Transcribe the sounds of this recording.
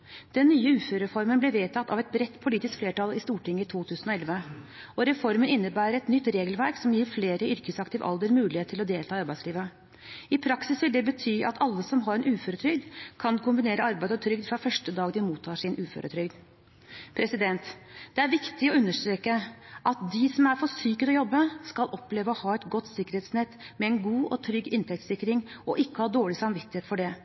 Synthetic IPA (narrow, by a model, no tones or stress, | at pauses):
d̪̥ɛnːyːəʉːføːɾəɾəfɔɾmənblɛʋeːt̪ʰɑt̪ːɑ̰ʋɛt̪̚bɾɛt̪ːpʰʊliːt̪ɪskfleːʈɑlɪst̪uːʈɪŋːət̪ʰuːt̪ʰʉːsənɔɛlʋə | ɔɾɛfɔɾmənɪnːəbæːɾəɾɛt̪nʏt̪ːɾeːɡəlʋæɾksɔmjiːɾfleːɾəʏɾkəsɑkt̪ɪʋə̰ʔɑ̰ld̪əɾmʉːlɪheːt̪ʰːɪlɔd̪eːlt̪ɑːɑɾbæɪsliːʋə | ɪpʰɾɑksɪsʋɪld̪ɛbət̪ʰyːʔɑt̪ʰɑlːəsɔmɦɑɾɛnʔʉːføːɾət̪ʰɾʏɡd̪kʰɑnkʰʊmbɪneːɾəɑɾbæɪd̪ɔt̪ʰɾʏɡd̪fɾɑfœʂʈəd̪ɑːɡd̪ɪmuːt̪ʰːɑːʂɪnʔʉːfø̰ɾə̰t̪ʰɾʏɡd̪ | pʰɾɛsɪd̪ɛnt̪d̪ɛæɾʋɪkt̪ɪɔʉnːəʂt̪ɾeːkəʔɑt̪̚d̪ɪsɔmæɾfɔsyːkət̪ɔjɔbːəskɑlʔɔpleːʋəɔhɑːɛt̪ɡɔt̪ːsɪkːəɾheːt̪snɛt̪ːmɛɛnɡuːɔt̪ʰɾʏɡɪnt̪ʰɛkt̪sɪkːɾɪŋɔʔɪkːəhɑːd̪oːɭɪsɑmʋɪt̪ːɪheːt̪fɔɖɛ